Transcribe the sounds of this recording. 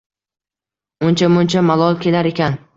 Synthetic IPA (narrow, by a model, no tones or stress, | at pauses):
ʊnt͡ʃʰamʊnt͡ʃʰamalˠɒlˠkʲe̞laɾe̞kʲʰan